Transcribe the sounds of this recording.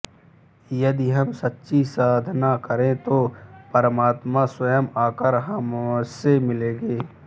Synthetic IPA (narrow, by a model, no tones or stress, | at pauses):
jɐd̪iɦɐmsɐtːʃʰisaːd̪ʱnakəɾẽt̪oːpəɾəmaːt̪maswɐjəmaːkəɾɦɐmsemɪleːɡeː